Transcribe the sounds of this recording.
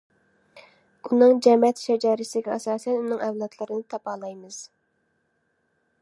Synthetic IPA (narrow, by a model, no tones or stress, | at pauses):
unɨŋd͡ʒɛmɛt̪ʃɛd͡ʒɑːɾɨsɪɡʲɛɑsɑːsɛnunɨŋɛwlˠɑt̪ʰlˠɨɾɨnɨt̪ʰɑpɑːlˠɑjmɨz̥